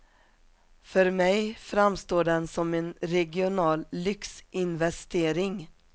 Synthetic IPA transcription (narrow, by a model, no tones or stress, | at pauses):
fœɾmɛjfɾamst̪oːɖɛnsɔmenɾɛɡɪʊnɑːlːʏksʔɪnvɛst̪eːɾɪŋ